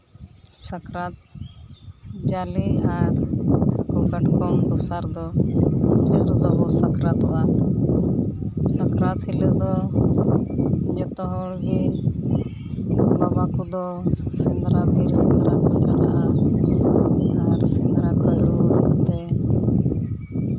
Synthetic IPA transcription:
sakɾat̪̚ | d͡ʒaliaɾkɔkəʈkɔmd̪ɔsaɾd̪ɔ | d͡ʒɛlud̪ɔbɔsakɾat̪a | səkɾat̪hiləd̪ɔ | d͡ʒɔt̪ɔɦɔɭɡi | babakud̪ɔ | sind̪ɾabiɾsind̪ɾakɔt͡ʃalaʔa | aɾsind̪ɾakalut̪ɛ

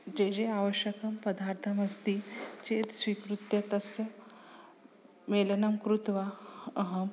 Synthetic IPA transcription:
d͡ʑed͡ʑeaʋəɕjəkəmpəd̪aɾt̪ʰəməst̪iːt͡ɕet̪sʋikɾut̪jɐt̪əs | melənəmkɾut̪ʋaəɦəm

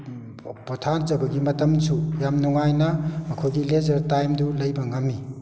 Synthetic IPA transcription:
potʰan̚zɐbɐɡimɐtɐmsʰujamnuŋajnɐmɐkʰojɡilezɐɾtajmdulɐjbɐŋɐmːi

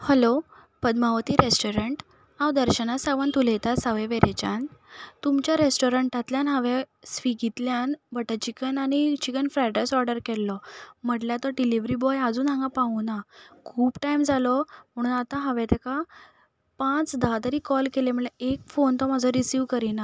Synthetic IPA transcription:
həlo | pəd̪maʋt̪iːɾesʈoɾəɳʈ | awd̪əɾɕənasaʋant̪ulɛt̪asaʋeʋeɾet͡ɕa̰nt̪umt͡ɕjaɾesʈoɾəɳʈat̪ljanɦaʋe | sʋiɡit̪ljanbəʈət͡ɕikənañit͡ɕikənfɾajʈesɔɾɖəɾkɛllɔm̤əʈljat̪ɔɖiliʋɾibɔjəd͡zuːnɦãŋɡapãunakʰuːbʈajmd͡zʱalɔm̤əɽ̃uːnat̪ãɦəʋɛ̃t̪ɛka | pãt͡sd̪ʱad̪əɾiːkɔlkelem̤əɭleekfont̪ɔmad͡zʱɔɾisiʋkəɾina

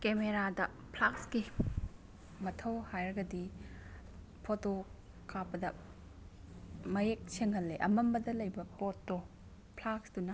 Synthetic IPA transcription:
kemeɾadɐ | pʰlakski | mɐtʰɐwhajɾɡɐdi | pʰoto | kʰapɐdɐ | mɐjek̚sʰeŋhɐlːeʔɐmɐmbɐdɐlɐjbɐpotːo | pʰlaksdunɐ

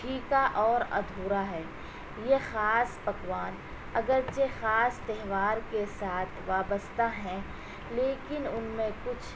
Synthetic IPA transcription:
ʈʰiːkaʔɔːɾɐ̰d̪ʱuːɾaɦɛː | jexaːspɐkʋaːn | ɐɡəɾt͡ʃexaːst̪ɛɦʋaːɾkesaːt̪ʰʋaːbəst̪ʰaɦɛ̃ | leːkɪnʊnmẽkʊt͡ʃʰ

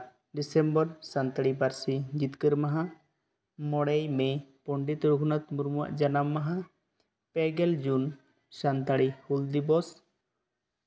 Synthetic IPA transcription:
ɖisɛmbɔɾsant̪aɽibaɾsid͡ʒit̪kəɾmaɦã | mɔɽɛjmɛpɔɳɖit̪ɾukʰnat̪muɾmuwa̰ʔd͡ʒanamːaɦã | pɛɡɛld͡ʒun | sant̪aɽihuld̪ibɔs

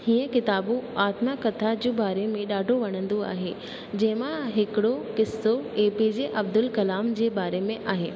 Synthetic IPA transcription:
hiːə̃kɪt̪aːbũaːt̪makɐt̪ʰad͡ʑubaːɾemẽɗaːɖʱoʋɐɽ̃ə̃nd̪oa̰ːɦe | d͡ʑɐ̃ɦɪ̃mãɦɪkɪɽokɪsːoeːpid͡ʑeʔɐbd̪ʊlkɐlaːmd͡ʑeːbaːɾemẽʔaːɦeː

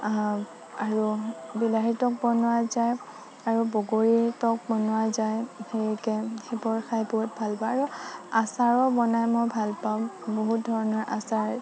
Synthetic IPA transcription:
aɹubilaɦiɹtɔk̚bɔnʊwazaj | aɹubɔɡoɹitɔk̚bɔnʊazajhekɛxebɔɹxajpɔut̚bʱalpaaɹuasaɹɔbɔnajmɔjbʱalpaʊ̃boɦut̚dʱɔɹɔnɔɹʔa̰saɹ

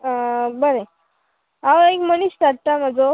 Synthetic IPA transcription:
əbəɾe | aʋekməniɕʈ̪aɽ̚t̪am̤əd͡zo

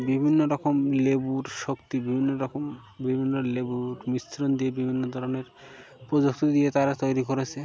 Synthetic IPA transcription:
bibʱinːoɾɔkomlebuɾʃokt̪ibibʱinːoɾɔkom | bibʱinːolebuɾmist̪ɾond̪iebibʱinːod̪ʱɔɾoneɾ | pɾod͡ʑok̚t̪od̪iet̪aɾat̪ojɾikoɾet͡ɕʰe

